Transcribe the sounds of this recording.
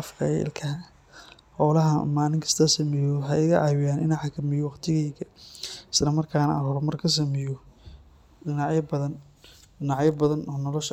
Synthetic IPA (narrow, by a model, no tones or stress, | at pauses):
ɐfqʰɐɪ̰lkʰɐ | ħɔːlɐɦɐ̰maːlɪŋkʰɐ̥st̪ʰɐsɐmɛjɔɦɐɪɣɐʔɑːwɪjaːnɪnaħakʰɐmɪjɔwɑqt̪ʰɪɣɛjkɐɪslɐmɐrkʰaːnɐ̰ɐɦɔɾmɐrkʰɐs̬ɐmɛjɔ | ɗɪnaʕjɐbɐðɐn | ɪnɑʕjɐbɐðɐnɔːnɔlɔʃ